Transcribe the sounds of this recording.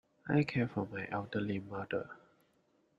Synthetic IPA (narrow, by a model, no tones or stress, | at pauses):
ʔajkʰɛfɔmajʔɛldəlimadə̰